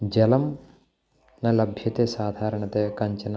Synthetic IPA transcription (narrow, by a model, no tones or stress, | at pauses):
d͡ʒɐlɐm | nɐlɐbʱjɐt̪esaːd̪ʱaːɾɐɳɐt̪ekɐɲt͡ʃɐnɐ